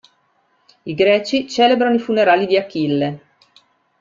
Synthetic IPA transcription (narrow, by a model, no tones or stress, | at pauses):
iɡɾɛːt͡ʃit͡ʃɛːlebɾanoifuneɾaːlid̪iakːilːe